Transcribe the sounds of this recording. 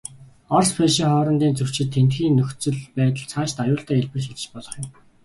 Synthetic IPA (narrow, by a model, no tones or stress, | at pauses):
ɔrspʰeʃiːŋχɔːɾɞ̆nt̪iːnt͡sɵw̥t͡ɕɪ̆t̪ʰːent̪xiːŋnːɵxt͡sɵ̆ɮpæːt̪ə̆ɮt͡sʰaːʃt̪ajʊːɬt̪aːeɮpɘ̆rʃit͡ɕɪ̆t͡ɕpɔɮɞ̆χjʊ̆m